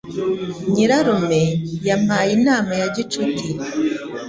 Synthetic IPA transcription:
ɲiɾaɾome̞jam̥aːjinaːmajaɟit͡ʃutʰiɾe

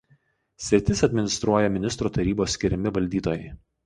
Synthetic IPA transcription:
sʲɪt̪ʲɪsɐd̪ʲmʲɪnʲɪst̪ɾuɔjɛmʲɪnʲɪst̪ɾuːt̪ɐɾʲiːboːsːʲkʲɪɾʲɪmʲɪʋɐlʲd̪ʲiːt̪oːjɛɪ

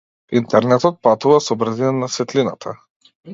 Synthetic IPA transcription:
int̪ɛɾnɛt̪ɔt̪̚pat̪uvasɔbɾazinanasvɛt̪linat̪ʰa

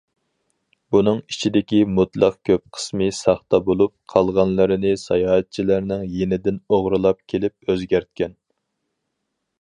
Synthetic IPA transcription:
bunɨŋit͡ʃʰid̪ɪkʲimut̪lˠɑqkʲʰøp̚qʰə̥smɨsɑχt̪ɑbolˠup̚qʰɑlˠʁɑnlˠɨɾɨnɪsɑjɑːɛt̪̚t͡ʃʰilæɾnɪŋjenɪd̪ɪnoʁɾɨlˠɑp̚kʲʰelɪp̚øzɡʲæɾt̪̚kʲɛn

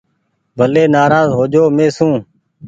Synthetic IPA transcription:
bʱəleːnaːɾaːzɦoːd͡ʒoːmẽːsũː

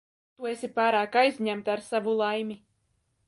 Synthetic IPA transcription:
t̪uesʲipaːɾaːkajzʲɲæmt̪aɾsavulˠajmʲi

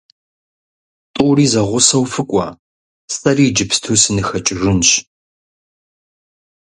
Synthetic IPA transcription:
tʼʊwriːzɐʁʷʊsɐwfɨkʷʼɔ̰ | stʼɐriːd͡ʒɪpstʰuːsɨnɨxɐt͡ʃʼɪrɨnɕ

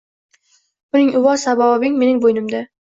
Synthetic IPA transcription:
bʊnɪŋʔʊwɒsabɒɒbɪŋme̞nɪŋbojnɪmd̪a

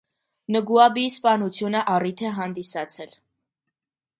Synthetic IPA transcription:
nəɡuɑbispɑnut͡sʰjunəʔɑrit̪ʰɛɦɑnd̪isɑt͡sʰɛl

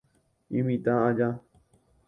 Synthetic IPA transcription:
ĩmĩt̪aad͡ʒa

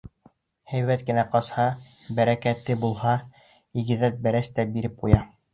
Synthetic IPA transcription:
hæjβæt̪̚kɘ̆næqɑshɑbæɾækæt̪ːɘbulˠhɑ | iɡɘ̆ðæt̪̚bæɾæst̪æbiɾɘp̚qujɑ

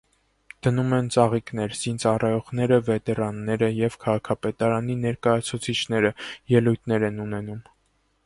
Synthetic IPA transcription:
d̪̥ənumɛnt͡sɑʁiknɛɾz̥int͡sɑrɑjɔʁnɛɾəvɛt̪ɛɾɑnːɛɾəjɛvkʰɑʁɑkʰɑpɛt̪ɑɾɑn̪inɛɾkɑjɑt͡sʰut͡sʰit͡ʃʰnɛɾəjɛlujt̪ʰnɛɾɛnunɛnum

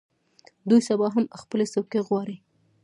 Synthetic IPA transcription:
d̪ujsabɑɦaməxpəlesawkeɣwɑɾi

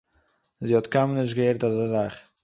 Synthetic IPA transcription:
zihɔtkʰamnɪʃ̬ɡəeɾtazəzaχ

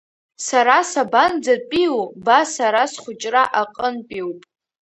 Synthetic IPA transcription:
saɾasaband͡zapʼiwbasaɾasχʷʊt͡ʃʼraʔaqʼənpʼiwpʼ

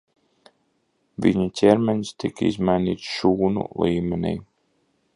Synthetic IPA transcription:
vḭɲut̪ʲɛɾmɛnst̪ikḭzmajniːt̪sʃuːnṵlˠiːmʲɛnʲḭj

